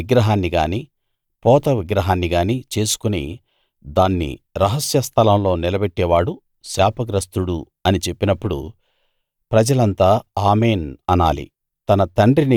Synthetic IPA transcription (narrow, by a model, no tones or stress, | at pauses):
iɡɾɐɦaːnːiɡaːni | pɔːt̪ɐʋiɡɾɐɦaːnːiɡaːnit͡ʃe̞ːsu̥kunḭ | d̪aːnːḭɾɐɦɐsjɐst̪ʰɐlɐmlo̞ːnilɐbɛʈːɛːʋaːɽu | ʃaːpɐɡɾɐst̪uɽu | ɐnit͡ʃe̞pːinɐpːuɽṵ | pɾɐd͡ʒɐlɐnt̪aːaːmeːnɐna̰ːlḭ | t̪ɐnɐt̪ɐɳɖɾini